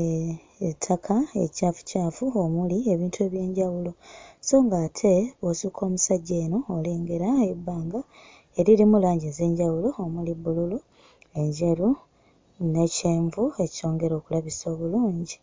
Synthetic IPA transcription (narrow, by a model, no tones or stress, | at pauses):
e | tʰːakʰaecaːfu̥caːfuomulie̞βiːntʰue̞βje̞ːɲɟawulo̞so̞ːŋɡaːtʰe̞βosukʰo̞ːmusaɟːe̞ːno̞ːle̞ːŋɡe̞ɾaebːaːŋɡa | e̞ɾiɾimulaːɲɟeze̞ːɲɟawulo̞ːmulibːululu | e̞ɲɟe̞ɾu | ne̞ceːɱvue̞cio̞ːŋɡe̞ɾo̞ːkulaβiso̞ːβuluːɲɟi